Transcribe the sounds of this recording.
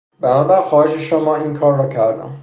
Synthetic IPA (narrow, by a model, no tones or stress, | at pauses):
bænɒːbæɾxɒːheʃe̞ʃomɒːiːnkʰɒːɾːɒcʰæɾd̪æ̰m